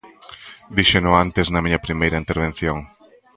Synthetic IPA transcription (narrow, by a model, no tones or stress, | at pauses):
d̪iʃenʊant̪eznɐmiɲɐpɾimejɾɐint̪eɾβ̞ẽn̟θjoŋ